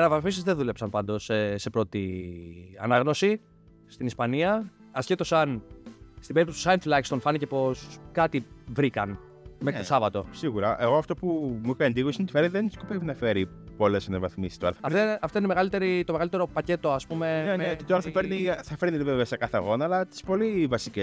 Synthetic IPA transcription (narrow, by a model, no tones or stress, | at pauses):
ɐnɐvɐθmisizðe̞ðule̞psɐnpɐnd̪o̞sese̞pɾo̞t̪i | ɐ̰nɐɣno̞si | st̪inispɐniɐ | ɐscet̪o̞sɐnst̪ibeɾipt̪ost̪u̥sɐɐnt̪lɐkst̪o̞nfɐnice̞po̞skɐt̪ivɾikɐn | mesɐvɐt̪o̞siɣuɾɐ̰ʔeɣoɐft̪o̞pumuipeɐnd̪iɣosinɐt̪ifeɾniðeni̥skopevinɐfe̞ɾi | po̞lesɐnevɐθmisi̥st̪oɾɐɐɐeɐft̪oinmeɣɐlit̪e̞ɾit̪o̞me̞ɣɐlit̪e̞ɾo̞pɐce̞t̪o̞ɐspume̞nenot̪it̪oɾɐnθɐfeɾniθɐfe̞ɾniliveveɐsekɐθeɐ̰ɣo̞nɐɐːlɐt̪i̥spo̞livɐsice